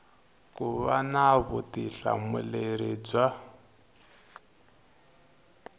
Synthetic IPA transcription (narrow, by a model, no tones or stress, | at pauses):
kuβanaβutiɬa̰muleɾid͡za